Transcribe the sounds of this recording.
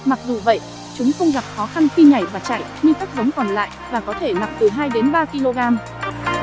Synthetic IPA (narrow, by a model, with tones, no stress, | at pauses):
ma˨˩k̚zu˨˩və̰˧˨j | t͡ɕʊ˨˦ŋ͡mxə˧wŋ͡mɣa˨˩p̚xɔ˨˦xa˧nxi˧ŋa˧˩jvaː˨˩t͡ɕa̰ː˧˨jɲɨ˧kaː˦˥k̚zə˨˦ŋ͡mkɔ˨˩nla̰ː˧˨jvaː˨˩kɔ˨˦t̪ʰe˧˩na˨˩k͡p̚t̪ɨ˨˩ɦaː˧jɗe˨˦nɓaː˧ki˧lo˧ɣaː˧m